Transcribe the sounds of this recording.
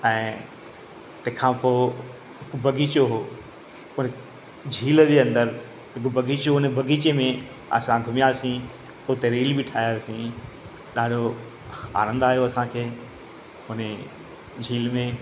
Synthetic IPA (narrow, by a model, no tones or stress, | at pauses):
ɛ̃ː | t̪ɐ̃ɦkʰãpoː | ɦɪkʊbɐɡiːt͡ɕoɦoː | ʊn | d͡ʑʱiːld͡ʑeɐ̃nd̪əɾ | ɦɪkobʱɐɡiːt͡ɕoɦʊnbʱɐɡʱiːt͡ɕemẽ | ɐ̰sãɡʱʊmjaːsĩ | ʊt̪eɾiːlibɪʈʰaːjaːsĩ | ɗaːɖʱo | a̰ːnə̃nd̪aːɦijoɐsãkʰeː | ʊne | d͡ʑʱiːlmẽ